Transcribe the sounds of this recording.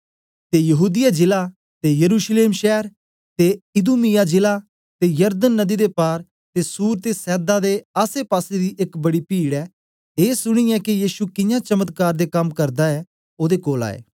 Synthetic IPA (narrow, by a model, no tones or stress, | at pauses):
t̪ejɐɦuːd̪ɪjad͡ʒɪla | t̪ejɐɾuːʃleːmʃɛːɾ | t̪eɪd̪uːmɪjad͡ʒɪla | t̪ejəɾd̪ənːɐd̪id̪epaːɾ | t̪esuːɾt̪esɛːd̪ad̪eaːsepaːsed̪iʔekbɐɽipiːɽɛː | eːsʊɽ̃ijɛkijiːsukɪjãt͡ʃɐmət̪kaːɾd̪ekɐmkɐɾd̪aɛ | oːd̪ekoːla̰ːḛː